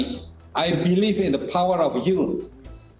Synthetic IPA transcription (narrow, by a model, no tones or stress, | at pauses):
ʔajbilivɪ̃nðəpʰawəɹɔvju